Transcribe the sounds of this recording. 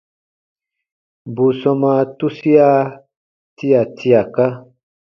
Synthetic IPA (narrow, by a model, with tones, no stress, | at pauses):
bu˨sɔ̃˧mã˧tu˦si˦a˦ | ti˦a˨tʰi˧a˨ka˦